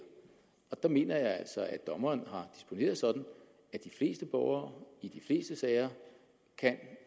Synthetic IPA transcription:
ɒ̽d̥ɑ̈me̝ːnɐjɑ̈ɪæl̰sɒ̽æd̥ɒ̽mɐnɦɑ̈d̥i̥sb̥o̝ne̝̰ːɐðˠsɒ̽d̥n̩ | æd̥ifle̝̰ːsd̥əb̥ɒʊ̰ɐːid̥ifle̝̰ːsd̥əsɛːɪɐ | kʰæn

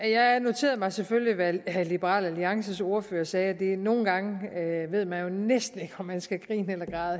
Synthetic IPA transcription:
jɑ̈ɪæno̝t͡sʰe̝̰ːɐðˠmɑ̈ɪseføljliʋælib̥əʁɑ̰̈ːlæliɑ̈ŋsəso̝ɐføːɐsɛːd̥e̝no̝ːn̩ɡ̥ɑ̈ŋʋe̝ð̰ˠmænjo̝nesd̥n̩e̝ɡ̥əɒ̽mːænsɡ̥æɡ̥ʁḭːnelɐɡ̥ʁɑ̰̈ːðˠ

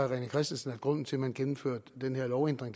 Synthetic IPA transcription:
ʁɛnəkʰʁɛsd̥n̩sn̩æ̥ɡ̥ʁɔ̽n̰n̩t͡sʰe̝lmænɡ̥enm̩fø̰ɐ̰d̥d̥enheɐlɒʊend̥ʁeŋd

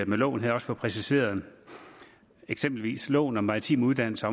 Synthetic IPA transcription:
melɔ̰̽ːnɦæð̩ˠɒ̽səfpʰʁɛsise̝̰ːɐðˠ | eɡ̥semb̥l̩ʋḭːslɔ̰ːnɒ̽mɑ̈ʁit͡sʰḭːmuðˠd̥æn̰l̩sɐɒ

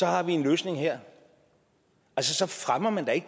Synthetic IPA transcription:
sɒ̽hɑ̈ʋie̝nløːsne̝ŋheɐ̰ | æls̬əsɒ̽fʁamɐmænd̥ɑe̝ɡ̥̚

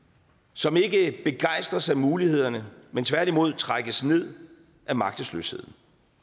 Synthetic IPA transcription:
sɒ̽me̝ɡ̥əb̥e̝ɡ̥ɑ̈ɪ̰sd̥ʁɐsɑæɪmuːlihe̝ð̞̰ˠɐnəment͡sʰʋæɐ̰d̥imo̝ð̞̰ˠt͡sʰʁaɡ̥əsne̝ð̞̰ˠ | ʔæmɑ̈ɡ̥d̥əslø̰she̝ð̞̰ˠn̩

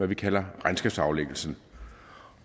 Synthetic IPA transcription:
æʋikʰælɐʁansɡ̥ɛb̥sɑ̈ʊleɡ̥l̩sn̩

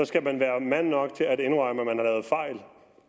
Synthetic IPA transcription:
ɒ̽sɡ̥æmænʋæːɐmæn̰ːɒ̽ɡ̥t͡sʰe̝læɾ̥e̝nʁɑɪməmænhɑ̈lɛːð̞̩ˠfɑ̈ɪ̰l

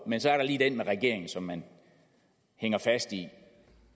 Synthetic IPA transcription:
mensɒ̽æɐɾɑ̈liːd̥enmeʁɛɡ̥e̝ɐ̰e̝ŋn̩sɒ̽mːæn | heŋɐfæsd̥i

